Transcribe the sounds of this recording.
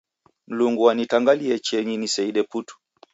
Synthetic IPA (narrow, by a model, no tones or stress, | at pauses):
m̩luŋɡuwanitaŋɡaliɛt͡ʃɛɲinisɛiɗɛputu̥